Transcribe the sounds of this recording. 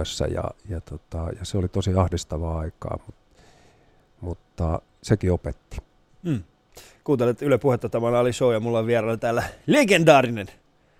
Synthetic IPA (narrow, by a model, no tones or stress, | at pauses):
øsːæ̰jɑ̰jɑt̪ot̪ɑjɑseolit̪osiɑhdist̪ɑʋɑːɑikɑ̰ːmut̪ | mut̪ːɑ | sekiopet̪ːi̥ː | kuːt̪elet̪ylæpuhet̪ːɑt̪ɑmɑnɑːlisoːjɑmulːɑʋiɛrɑlːt̪æːlːæleɡend̪ɑːrinen